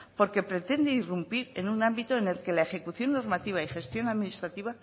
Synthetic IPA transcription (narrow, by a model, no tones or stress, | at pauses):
po̞ɾke̞pɾe̞t̪e̞nd̪eirumpiɾe̞nunãmbit̪oene̞lke̞lae̞xe̞kuθjo̞nːo̞ɾmat̪iβ̞aixe̞st̪jo̞naðminist̪ɾat̪iβ̞a